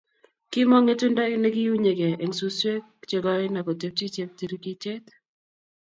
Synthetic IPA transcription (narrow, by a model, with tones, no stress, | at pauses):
kɪ˦mɔ˦ŋe˦tu˦nda˦i˦ne˦ɡɪ˦ju˦ɲe˨ɡe˨e˨ŋsu˦se˦kt͡ʃe˨ɡɔ˦ɪ˦na˨kɔ˨te˦p̚t͡ʃi˦t͡ʃe˦p̚t̪i˨ɾi˦ki˦t͡ʃe˦t̪